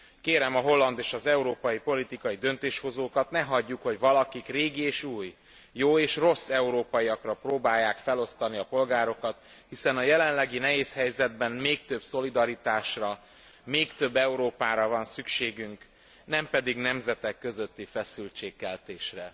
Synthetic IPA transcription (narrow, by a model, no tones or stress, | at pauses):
keːɾɛmɒɦo̞lːɒnd̪eːʃɒzɛuɾoːpɒjipo̞lit̪ikɒjid̪ø̞nt̪eːʃho̞zoːkɒt̪nɛɦɒɟːukho̞ɟvɒlɒkikreːɡieːʃuːjː | oːeːʃro̞sːɛuɾoːpɒiɒkrɒproːbaːjːaːkfɛlo̞st̪ɒniɒpo̞lɡaːɾo̞kɒt̪ | hisɛnɒjɛlɛnlɛɡinɛɦeːshɛjzɛd̪̚bɛnmeːk̚t̪ø̞bso̞lid̪ɒɾit̪aːʃrɒ | meːkt̪ø̞bːɛuɾoːpaːɾɒvɒnsykʃeːɡyŋk | nɛmpɛd̪iɡnɛmzɛt̪ɛkːø̞zøt̪ːifɛsylt͡ʃeːkːɛlt̪eːʃrɛ